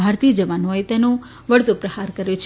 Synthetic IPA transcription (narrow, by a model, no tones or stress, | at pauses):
aɾt̪iəd͡ʒəʋanojt̪ɛnũ | ʋəɭt̪upɾəhaɾkəɾjũt͡ʃʰ